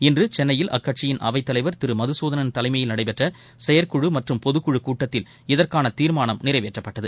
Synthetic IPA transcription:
ɪndrɯt͡ʃɛnːɐjɪlʔɐ̰kːɐʈ̚t͡ʃɪjɪnʔɐ̰ʋɐɪt̪ːɐlɐɪʋɐɾt̪ɪɾɯmɐðɯsoːðɐnɐnt̪ɐlɐɪmɐjɪlnɐɽɐɪpɛʈrɐ | sɛjɐɾkʊɻɯmɐʈrɯmpɔðɯkːʊɻɯkuːʈːɐt̪ːɪl | ɪðɐrkaːnɐt̪iːɾmaːnɐmnɪrɐɪʋeːʈrɐpːɐʈːɐðɯ

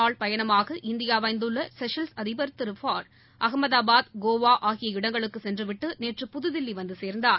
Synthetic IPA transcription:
aːɭpɐjɐnɐmaːɣɐʔɪnd̪ɪjaːʋɐɪnd̪ɯɭːɐsɛʂɐlsɐðɪbɐɾt̪ːɪɾɯfaːɖ | ʔɐɣɐmɐðaːbaːd̪ɡoːʋaːʔaːɣɪjɐɪɽɐŋɡɐɭɯkːɯsɛndrɯʋɪʈːɯneːʈrɯpʊðɯðɪlːiʋɐnd̪ɯseːɾnd̪aːɾ

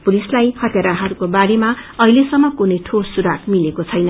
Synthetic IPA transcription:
pulislajhʌt̪jaɾaɦʌɾukobaɾemaʌɦilesʌmːʌkunʌjʈʰosuɾakmilekot͡sʰʌjnʌ

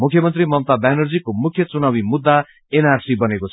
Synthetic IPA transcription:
mukʰjʌmʌnt̪rimʌmt̪abanʌrd͡zikomukʰjʌt͡sunawimud̪ːa | enarsibʌnekot͡sʰ

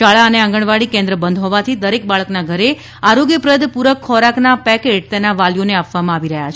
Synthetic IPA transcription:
aɭaəneãŋ̆ɡəɳ̃ʋaɭikẽnd̪ɾəbənd̪ɦɔʋat̪ʰid̪əɾek̚baɭəknaɡʱəɾe | aɾoɡjəpɾəd̪ʱpuɾəkʰːɔɾaknapɛkeʈ̚t̪enaʋaljoneapʋamãaʋiɾəɦja̰t͡ʃʰ

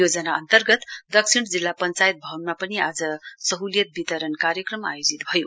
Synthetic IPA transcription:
jod͡zʌnaʌnt̪ʌrɡʌt̪d̪ʌksʰiɽ̃d͡zilːapʌnt͡sajt̪̚bʱʌwnmapʌniad͡zʌsʌɦuljʌt̪̚bit̪ʌɾʌnkaɾjʌkrʌma̰jod͡zit̪bʱʌjo

